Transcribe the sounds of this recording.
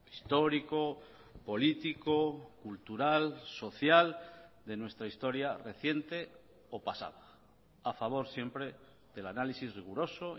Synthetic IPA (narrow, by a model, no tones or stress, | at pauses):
i̥st̪o̞ɾiko | po̞lit̪ikokult̪uɾalso̞θjald̪e̞nwe̞st̪ɾaist̪o̞ɾjare̞θje̞nt̪e̞ | opasa̰ða | afaβ̞o̞ɾsje̞mpɾe̞ | ðe̞lanalisizriɣ̞uɾo̞so